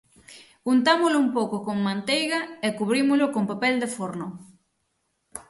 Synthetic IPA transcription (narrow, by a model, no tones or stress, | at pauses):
kunt̪amʊlʊumpowkokoŋmãnt̪ejɣaekuβɾimʊlokompapɛld̪efoɾno